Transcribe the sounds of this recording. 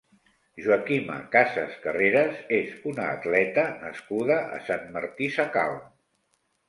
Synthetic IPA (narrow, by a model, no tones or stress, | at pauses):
ʒuakimə̰kasəskəreɾəzezunaːt̪lɛt̪ənəskuðəʔə̰sanməɾt̪isaka̰lˠ